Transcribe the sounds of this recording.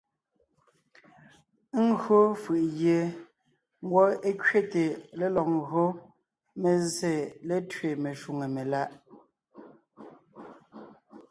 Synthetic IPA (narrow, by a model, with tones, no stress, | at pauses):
ŋ˦ɣɰo˦fɯ˨ʔɣje˨ | ŋ̩˦ɡwɔ˦e˦kɥe˦te˨le˦lɔ˨q̚ŋɣɰo˦ | me˨ze˨le˦tɥe˨me˨ʃu˨ŋe˨me˨la˦ʔ